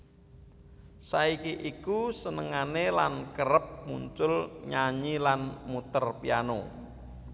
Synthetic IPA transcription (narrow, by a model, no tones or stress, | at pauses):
saikiʔikusənəŋanelankəɾəp̚mṵɲt͡ʃʊlɲaɲilanmut̪ərpiano̰